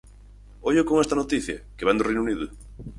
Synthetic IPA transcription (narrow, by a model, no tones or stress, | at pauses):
oʎokoŋest̪ɐnot̪iθjɐkeβand̪ʊrejnuniðʊ